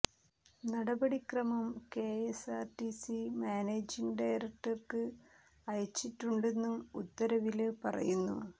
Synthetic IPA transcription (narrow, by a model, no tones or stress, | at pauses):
nɐɽɐbɐɽikrɐmɐmke̞ːesaːrʈisimaːneːd͡ʑiŋɡɖɐjɾɐk̚ʈɐrkɨ | ɐjɐt͡ɕːiʈːuɳɖe̞nːumut̪ːɐɾɐʋilpɐ̰rɐ̰junːṵ